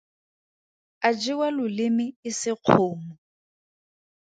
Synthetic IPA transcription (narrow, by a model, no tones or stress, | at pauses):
ad͡ʒɪwalʊlɪmɪɪsɪq͡χʰʊːmɔ